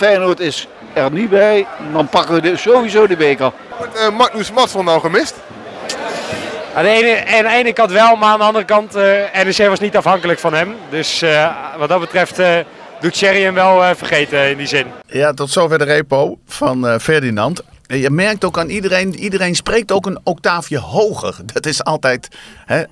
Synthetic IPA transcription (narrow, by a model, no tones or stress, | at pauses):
fɛnuətɪs | ɛrnibɛjdɔnpɑkəʋəzoːʋizoːdibeːkə | ɔtəmak̚nusmɔtfonawχəmɪst | andəejnəandəejnəkɑntʋɛlˠmaandəɑndərəkɑntɛnɛsejʋɑsnitɑfhɑŋkələkfɑnɦɛmdøsʋɑtdɑt̚bətrɛft | dutsɛɾiəmʋɛlˠfərχejtəɪndizɪnjatɔtsoːfɛrdərejpowfɔnfɛrdinɑnt | jəmɛrk̚towkaːnidərejnidərejnsprejk̚towkənok̚taːvjəhowɣə̰rdɔtɪsɑlˠtɛjthɛ